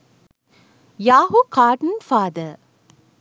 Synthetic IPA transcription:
jaːɦukaːʈənfaːd̪ə

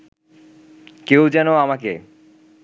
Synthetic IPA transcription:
kewd͡ʑɛnoamakḛ

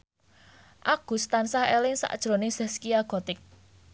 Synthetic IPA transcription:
ʔaɡ̥ṳst̪ansahɛlɪŋsa̰ʔd̥ʒ̥ɾo̤nesɛskiaɡ̥ɔ̤t̪ɪk̚

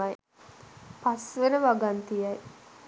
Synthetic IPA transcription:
aj | pasʋenəʋaɡant̪ijaj

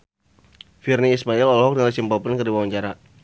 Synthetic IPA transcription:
firniːsmailɔlɦɔk̚dəŋlt͡ʃimpɔpənkərdiwawaɲt͡ʃaɾa

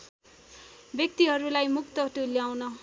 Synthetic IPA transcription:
bjʌk̚t̪iɦʌɾulajmukt̪ʌʈuljawnʌ

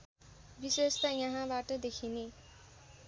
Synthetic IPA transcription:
bisest̪ajʌɦãbaʈʌd̪ekʰine

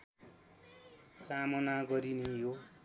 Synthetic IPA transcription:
kamʌnaɡʌɾinejo

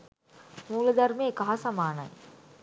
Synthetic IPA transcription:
muːlɐd̪ɐrmeːkɐɦasɐmaːnɐ̰j

